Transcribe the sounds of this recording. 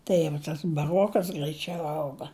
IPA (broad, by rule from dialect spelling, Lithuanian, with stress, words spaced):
ˈtɐɪ jɛʊ tɐs bɐˈroːkɐs ɡrɐɪˈt͡ʃʲɛʊ ˈɐʊɡɐ